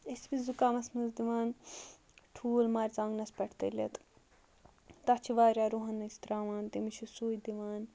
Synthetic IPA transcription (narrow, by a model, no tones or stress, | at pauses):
esbizukaːmɐsmɐzd̪iʋaːn | ʈʰuːlmaːɾʲt͡sãːŋɡnɐspʲɐʈʰt̪ɐ̰lḛt̪ | t̪ɐt͡ʃʰiʋaːɾʲaːɾuɦɐnːɐsʰt̪ɾaːʋaːnt̪imiʃʰusuːjid̪iʋaːn